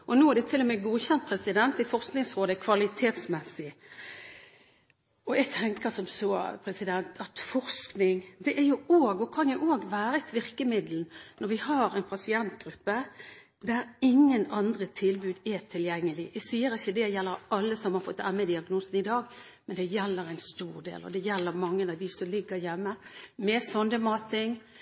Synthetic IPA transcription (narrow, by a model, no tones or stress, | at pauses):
ʔɔnuːæɖ̪ɛt̪ʰɪlːɔmɛɡuːçɛnt̪̚pʰɾɛsɪd̪ɛnt̪æfɔʁsknɪŋsɾoːd̪əkʰʋɑlɪt̪ʰeːt̪smɛsɪ | ɔɛɡ̚t̪ʰɛŋkəsɔmsoːpʰɾɛsɪd̪ɛnt̪ʰɑt̪fɔɾsknɪŋd̪ɛʔæɾjʊoːɡɔkʰɑnjʊʔoːɡʋæːɾət̪ʰʋɪɾkəmɪd̪ln̩nɔɾʋɪhɑɾɛnpʰɑsɪɛnt̪ɡɾʉpːə | d̪æɾɪŋːənɑnd̪ʁət̪ʰɪlbʉːd̪æt̪ʰɪljɛŋːəlɪʔæsiːəɾɪçːəd̪ɛjɛlːəɾɑlːəsɔmhɑɾfɔt̪ːæmːəd̪ɪɑɡnuːsn̩ɪd̪ɑːɡ | mɛnd̪ɛjɛlːəɾæɪnst̪uːʁd̪ḛːlɔ̰d̪ɛjɛlːəɾmɑŋːənɑʋd̪ɪsɔmlɪɡːəɾjɛmːəmɛsɔnd̪əmɑːt̪ʰɪŋ